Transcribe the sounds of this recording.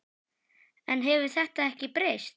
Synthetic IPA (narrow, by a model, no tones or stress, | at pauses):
ɛnɦɛvʏ̥θɛht̪aɛhcɪpɾejst̪